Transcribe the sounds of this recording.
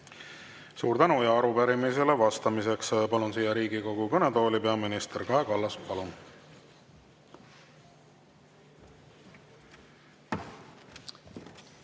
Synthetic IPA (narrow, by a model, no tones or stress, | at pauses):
suːɾt̪ænujɑɑɾupæɾimise̞le̞vɑst̪ɑmise̞kspɑlunsijːɑɾiːɡiko̞ɡ̥ukɤne̞d̪o̞ːlʲipe̞ɑminist̪erkɑekɑlːɑspɑlun